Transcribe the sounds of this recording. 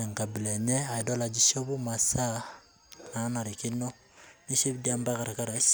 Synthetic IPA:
e˨ŋ˨ka˨bi˨le˨ɲɛ˦a˨i˨do˦la˨d͡ʒi˦ʃo˦bu˦ma˨sa˦ | na˨˦na˨ɾi˨ki˦no˦ | ni˦se˦bi˦di˦a˦mba˦ka˨ɾa˨ka˦ɾa˨˦s

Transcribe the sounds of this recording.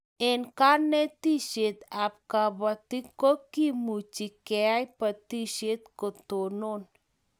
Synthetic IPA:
e˨nka˦ne˦t̪i˦ʃe˨t̪a˨p̚ka˨bat̪i˦ko˦ki˦mut͡ʃi˨kea˦jpət̪i˦ʃe˦t̪̚ko˨t̪o˨non

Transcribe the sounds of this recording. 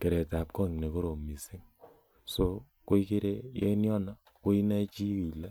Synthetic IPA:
ke˨ɾɛ˨ta˨p̚kɔ˦˨ŋne˨ko˦ɾo˨mi˨si˦ŋ | so˦ | ko˦i˦ke˦ɾe˦jɛ̰˦njɔ˦na˦ | ko˦i˦na˦t͡ʃi˦i˨la˦

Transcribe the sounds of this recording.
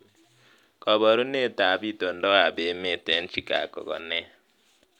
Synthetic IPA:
kɔ˨βɔ˨ɾu˦ne˦˨ta˨˦bi˦˨to˨n˦dɔ˦a˨be˨˦me˦˨tɛ˦n˦t͡ʃi˨ka̰˨kɔ̰˨ɣɔ̰˨nɛ˦

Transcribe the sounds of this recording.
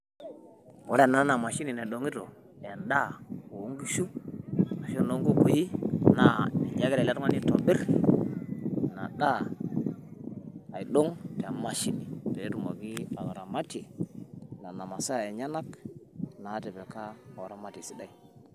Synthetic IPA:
wo˦ɾa˦˨na˦na˨ma˨ʃi˦ni˨na˨ɗo˨ŋi˦to˨ | a˨nda˦˨o˨o˦ŋɡi˦ʃu˦ma˨ʃi˦o˦˨no˦ŋɡo˦ko˨ji˦na˨i˨ɲa˦ɡe˦ɾla˦tu˦ŋa˦ni˦to˨bi˦ɾ | na̰˨ɗa˦˨ | i˨ɗo˦ŋte˨a˨ma˦ʃi˦ni˨te˨e˦tu˨ma˨ɡi˦a˨wa˨ɾa˨ma˦te˨ | na˨na˨ma˨sa˦˨e˨ɲa˦na˦kna˨˦te˨be˨ka˦a˨wa˨ɾa˦ma˦ti˨si˦da˦˨i˨

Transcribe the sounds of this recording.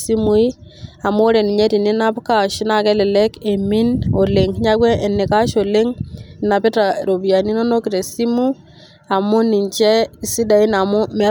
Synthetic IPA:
si˦mu˨i˦a˨mo˦ɾe˨ni˨ɲe˦ti˨ni˦na˦pka˦˨ʃi˦na˨kɛ˦le˨lɛ˦ke˨mi˦no˨le˨ŋ˦ɲa˦kwɛ˦ʔe˨nːɪ˨ka˦ʃo˨le˦ŋ˨na˨pi˦ta˨ɾo˨bi˨a˨ni˦no˦no˦ki˨ɾe˨si˦mu˦ | a˨mu˦ni˨ɲt͡ʃɛ˦i˨si˦da˨i˦na˨mo˦me˨˦

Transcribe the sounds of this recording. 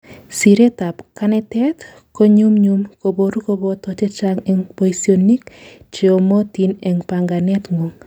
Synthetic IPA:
si˨ɾe˦ta˨pkanɛtɛ˦t | ko˦ɲu˦mɲumko˨bo˨ɾu˦ko˦bɔ˦tɔ˨t͡ʃe˦t͡ʃaŋɛŋpoisoni˦k | t͡ʃe˨o˨mo˦ti˨nɛ˨ŋpa˨ŋɡa˨nɛ˦tŋu˨ŋ

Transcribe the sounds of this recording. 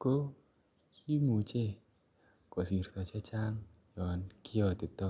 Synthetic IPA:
ko˦ | t͡ʃi˦mu˨t͡ʃe˦˨ | kɔ˨si˨ɾt̪ɔ˧t͡ʃe˦t͡ʃa˦ŋ | jɔ˨nki˦ɔ˧t̪ɪ˨t̪ɔ˦

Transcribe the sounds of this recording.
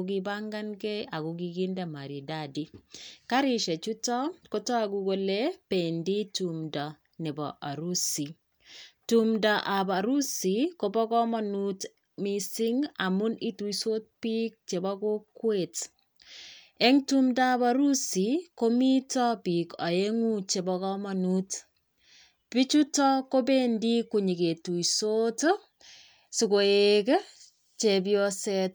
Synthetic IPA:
ɡɪba˦ŋɡa˦nke˦a˨ɡu˨ɡi˦ɡi˦nda˨ma˨ɾi˨da˨di˦ka˦ɾɪ˦ʃe˨t͡ʃu˦tɔ˦ko˦tɔ˦a˨ɡu˧ɡo˨le˦pe˨ndi˦tumda˨ | nɛ˨bɔ̰˨ʔa˨ɾu˦si˨ | tumda˨ʔa˨ba˨ɾu˦si˨ko˦bɔ˦kɔ˦ma˨nu˦t | misi˦ŋa̰˨mu˦ni˦tu˨iso˦t̪̚pi˦k̚t͡ʃe˨ba˦ko˦kwet | e˦ŋtumda˦baɾu˦siko˦mi˦tɔpi˨ka˨e˦ŋu˦t͡ʃe˨bɔkɔmanut | pi˦t͡ʃutɔ˦ko˦be˦ndi˦kuɲi˨ke˨tu˨jsot | suko˨eke | t͡ʃebjɔset

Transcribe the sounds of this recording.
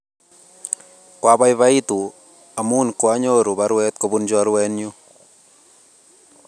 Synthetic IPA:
kwa˦ba˦jβa˦itu˨ | a˨mu˦nkwa˦ɲo˦ɾu˨baɾwɛ˦t̪̚kɔ˨bund͡ʒɔɾwɛnju

